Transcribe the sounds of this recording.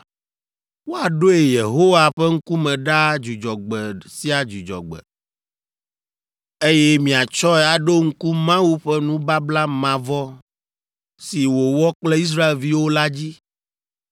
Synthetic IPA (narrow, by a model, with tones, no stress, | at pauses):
wo˦a˨ɖo˦e˨je˨ɦo˦wa˨ɸɛ˦ŋ̩˦ku˦mɛ̃˨ɖa˦d͡ʒu˨d͡ʒɔ˨ɡ͡bɛ˨si˦a˨d͡ʒu˨d͡ʒɔ̰˨ɡ͡bɛ̰˨ | e˦jɛ˦mĩ˨a˨t͡ʃɔ˦ɛ˦˨a˨ɖo˦ŋ̩˦ku˦mã˦wu˦ɸɛ˦nũ˦ba˦bla˦mã˨vɔ˦ | si˨wo˨wɔ˦k͡plɛ˦i˦s̬ɾa˦e˨lvi˦wo˦la˦d͡ʑi˦